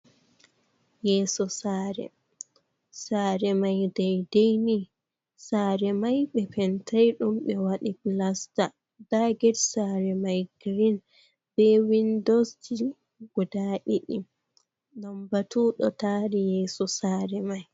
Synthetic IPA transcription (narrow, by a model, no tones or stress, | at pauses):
jɛːsɔsaːɾɛ̰ | saːɾɛmajdɛjdejni | saːɾɛmajɓɛpɛntʰajɗumɓɛwaɗiplasta | daɡɛɾsaːɾɛmajɡɾin | b̥ɛwindosd͡ʒi | ɡɔdaːʔiɗim | ɗɔmbatuɗɔtaːɾijɛːsɔsaːɾɛmaj